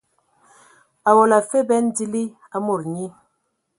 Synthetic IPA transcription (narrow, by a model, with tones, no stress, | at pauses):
a˨wɔ˨la˨fe˦bɛ˦n˦di˦li˦ | a˦mo˨ɾɲi˦